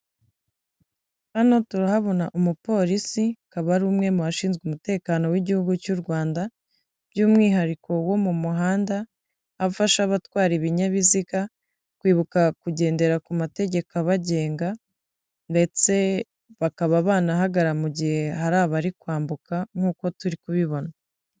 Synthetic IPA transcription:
hano̞tuɾahaβo̞naʔumupo̞ːɾisikaβaɾuːmŋe̞muaʃiːnzɡumute̞ːkaːno̞wiɟihuɡucuɾɡwaːnda | b̥juːmŋiːɦaɾikʰo̞wo̞mumuɦaːndaː | faʃaβatwaːɾiβiɲaβiziɡa | kwiːβukakuɟe̞ːnde̞ɾakumate̞ɟe̞kaβaɟe̞ːŋɡa | nde̞t͡se̞ | βakaβaβaːnaɦaɡaɾamuɟihe̞haɾaːβaɾikwaːmbukʰaŋ̥uːko̞tuɾikuβiβo̞na

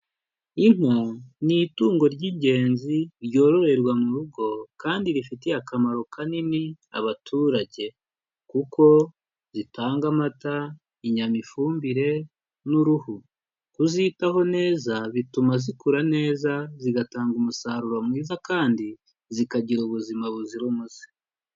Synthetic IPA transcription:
iŋ̥unituːŋɡo̞ɾɟiːɲɟe̞ːnziɾjo̞ːɾo̞ɾe̞ɾwamuɾuɡo̞kaːndiɾifiteakamaɾo̞kʰanini | a̰βatʰuːɾaɟe̞ | kukʰo̞ | zitaːŋɡamata | iɲamifuːmbiɾe̞ | nuɾuhu | kuzitaɦo̞ne̞ːzaβitumazikuɾane̞ːzaziɡataːŋɡumusaɾuɾomwiːzakaːndi | zikaɟiɾuβuzimaβuziɾumuzi̥

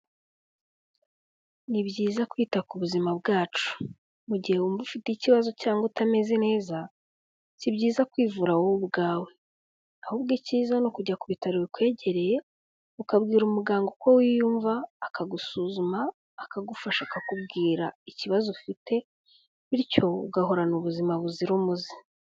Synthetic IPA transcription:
nibɟiːzakwiːtakuβuzimaβɡaːt͡ʃu̥ | muɟihe̞umvufiteiciβazo̞caːŋɡotame̞zene̞ːza | sibɟiːzakwiːvuɾawobɡaːwe̞ | ahubɡiciːzanokuɟakuβitaɾiβikwe̞ːɟe̞ɾe̞je̞ | ukabɡiːɾumuɡaːŋɡoko̞wijuːɱvaːkaɡusuːzumaː | kaɡufaʃakakubɡiːɾaiciβazofite̞ | βiɾco̞ṵɡaɦo̞ɾanuβuzimaβuziɾumuzi̥

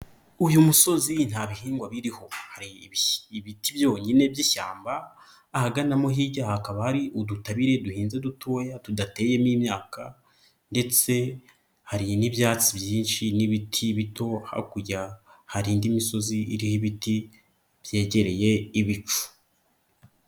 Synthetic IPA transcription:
ujumuso̞zin̥haːβihiːŋɡwaβiɾiho̞haɾiβiːβitibjo̞ːɲine̞bɟiʃa̰ːmbaː | haɡanamo̞ɦiɟaːhakaβahaɾiʔudutaβiɾe̞duhiːnze̞dutʰoːjatudate̞ːje̞miːmɲaːka | nde̞t͡se̞ | haɾinibjaːt͡sibjiːnʃiniβitʰiβito̞ha̰kuɾɟahaɾiːndimiso̞ziiɾihiβiti | b̥je̞ːɟe̞ɾe̞je̞iβit͡ʃu̥

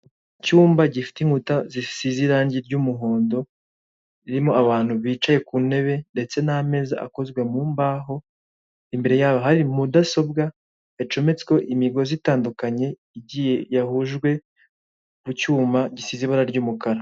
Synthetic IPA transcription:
cuːmbaɟifi̥tiŋhutazisiziɾaːɲɟiɾɟumuɦo̞ːndo̞ | iɾimo̞ʔaβaːn̥huβiːt͡ʃaje̞kune̞βe̞nde̞t͡se̞name̞ːza̰ʔa̰ko̞zɡwe̞muːmbaɦo̞ | imbe̞ɾe̞jaːβaɦaɾimudaso̞bɡa | et͡ʃo̞me̞t͡se̥ko̞ʔimiɡo̞zitaːndukaɲe̞ | iɟije̞jahuʒɡwe̞ | kucuːmbaɟisiziβaɾaɾɟuːmukaɾa

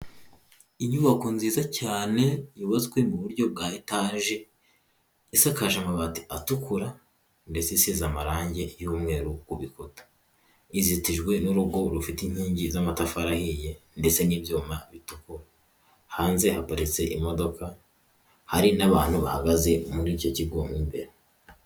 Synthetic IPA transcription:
iɲuβako̞nziːzacaːne̞juβazekwemuβuɾɟo̞b̚ɡaːitaːʒe̞ | isakaʒamaβati̥atukuɾa | nde̞t͡sesizamaɾaːɲɟe̞juːmŋe̞ːɾukuβikotḁ | izitiʒɡwe̞nuɾuɡo̞ɾufitiɲ̥hiːɲɟizamatafaɾahijende̞t͡se̞niːbjuːmaβituku | haːnze̞hapoɾit͡se̞ʔimo̞do̞ka | haɾinaβaːn̥huβa̰haɡaze̞muɾiːco̞ciɡoːmimbe̞̰ɾe

